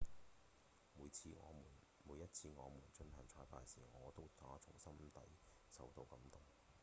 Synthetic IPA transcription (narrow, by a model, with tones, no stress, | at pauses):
muː˨˧jt͡sʰiː˧ŋɔ̰ː˨˧muː˨˩n | muː˨˧jːɐ˥t̚t͡sʰiː˧ŋɔː˨˧muː˨˩nt͡ʃɵ˧nhɐ˨˩ŋt͡ʃʰɔː˧jpaː˧jsiː˨˩ŋɔː˨˧t̪o˥wt̪ʰaː˨˧˥t͡sʰʊ˨˩ŋsɐ˥mt̪ɐ˨˥j | sɐ˨wt̪o˧wkɐ˨˧˥mt̪ʊ˨˩ŋ